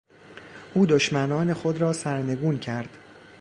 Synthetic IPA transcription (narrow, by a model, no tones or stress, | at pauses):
ʔuːd̪oʃmænɒːne̞xo̞d̪ɾɒːsæɾne̞ɡuːncʰæɾd̪̥